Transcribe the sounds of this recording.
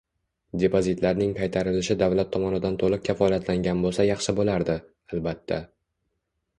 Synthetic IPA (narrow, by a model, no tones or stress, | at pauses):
d̪e̞pʰozit̪laɾnɪŋkʰɑjt̪ʰaɾɪlɪʃɪd̪avlat̪ʰːɒmɒnɪd̪ant̪ʰolˠɨq̚kʲʰafɒlijat̪laŋɡʲanbolˠsajɑχʃɪbolaɾd̪ɪ | albat̪ʰːa